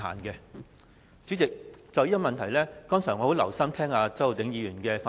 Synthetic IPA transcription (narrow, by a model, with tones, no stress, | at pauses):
a̰ː˨˩nkɛ˧ | t͡syː˨˥t͡sɪ˨k̚t͡sɐ˨wjiː˥ɔ˥mɐ˨nt̪ʰɐ˨˩jlɛː˥kɔː˥ŋsœː˨˩ŋɔː˨˧ho˨˥wlɐ̰˨˩wsɐ˥mt̪ʰɛː˥ŋaː˧t͡sɐ˨˥o˨wt̪ɪ˨˥ŋjiː˨˧jyː˨˩nkɛː˧fa˧